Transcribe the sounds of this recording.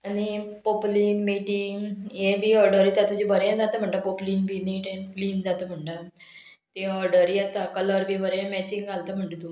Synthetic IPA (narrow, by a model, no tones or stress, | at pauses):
ənipopliːnmiːʈɪŋeːbiːɔːɾɖəɾiːt̪ãt̪ʊd͡ʒibəɾjãːd̪at̪aməɳɖaːpoːpliːnbiːniːʈɛ̃npliːnd̪aːt̪amʱəɳɖaː | t̪eɔːɾɖəɾiat̪akələɾbiːbəɾãmɛːt͡ʃɪŋɡɡalt̪ãməɳɖd̪ũ